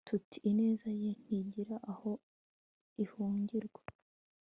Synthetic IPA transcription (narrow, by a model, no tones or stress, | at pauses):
tʰutʰiʔːne̞ːzajen̥iɟiɾaʔaho̞ | ihuːɲɟiɾɡwa